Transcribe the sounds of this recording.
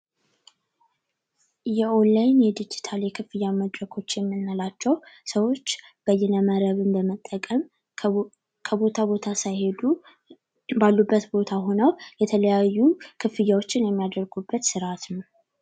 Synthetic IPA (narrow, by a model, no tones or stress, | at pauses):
jɛʔolajnjɛd̪ɨd͡ʒit̪ʰaljɛkʰɨfɨjːaməd̪ɾəkʰo̞t͡ʃːjɛmːɨnːalat͡ʃːɛwsəwo̞t͡ʃːb̥əjːɛnəməɾəβɨmbəmət̪ʼːəkʼəm | kʰəbo̞t̪ʰabo̞t̪ʰasajhed̪u | balːubːət̪bo̞t̪ʰaɦo̞nəwjɛt̪ʰələjajːukʰɨfɨjːawo̞t͡ʃːɪnjɛmːijad̪əɾɡubːət̪sɨɾat̪nəw